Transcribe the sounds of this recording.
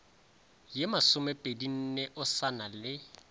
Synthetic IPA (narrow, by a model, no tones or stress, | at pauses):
jɪmasʊmɛpʼedin̩neʔʊsanalɪ